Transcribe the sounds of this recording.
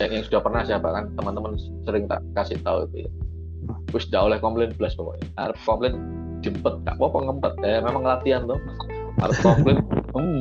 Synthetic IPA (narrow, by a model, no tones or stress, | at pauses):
jaŋjaŋsudahpərnahsiabakant̪əmənt̪əmən | səɾɪŋt̪a̰ʔkasɪht̪auit̪ṵja | pʊsd͡ʒaʊhlɛhkɔmplɪnbəlasbɔpɔ̰ʔha̰ɾəp̚kɔmplɛn | d͡ʒ̥əmpət̪̚ka̰ʔpɔpəŋəmpət̪̚amemaŋːəlat̪iant̪ʊh | a̰ɾəp̚kɔmplɪnəm